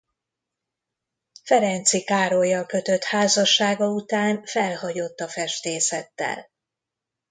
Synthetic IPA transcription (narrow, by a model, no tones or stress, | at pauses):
fɛɾɛnt̪sikaːɾojːɒkø̞t̪ø̞t̪haːzɒʃːaːɡɒut̪aːnfɛlhɒɟo̞t̪ːɒfɛʃt̪eːsɛt̪ːɛ̰l